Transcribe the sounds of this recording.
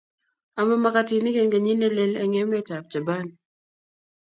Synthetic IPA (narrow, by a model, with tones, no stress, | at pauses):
a˨ma˦ma˨ka˨ti˨ni˦ke˨nɡa˨ɲi˦nɛ˦lɛ˦la˨ŋe˦mɛ˦ta˨p̚d͡ʒa˨ba˦˨n